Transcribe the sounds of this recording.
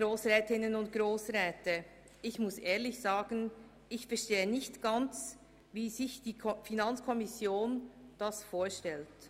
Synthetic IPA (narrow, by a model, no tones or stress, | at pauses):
ɾoːsʁɛːtɪnənʊnt̚ɡ̥ɾoːsɾɛːtə | ɪçmʊsʔeːɐlɪçz̥aːɡən | ɪçfɛɐʃteːənɪçtɡ̥ant͡s | viːzɪçd̥iːfinant͡skʰɔmɪsjoːnd̥asfoːɐʃtɛlt